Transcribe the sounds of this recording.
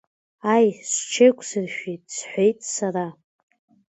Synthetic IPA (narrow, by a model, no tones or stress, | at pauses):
ajsʷt͡ʃʰejkʷʰʼsɨrʃᶣejtʼsħʷejtʼsara